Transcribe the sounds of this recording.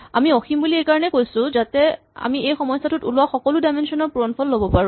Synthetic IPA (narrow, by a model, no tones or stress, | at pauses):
amiɔximbuliejkaɹɔnɛkojsʊ̃zatɛ | a̰miejxɔmɔjsatutulʊwaxɔkɔlʊdajmensɔnɔɹpuɹɔnpʰɔlːobɔpaɹũ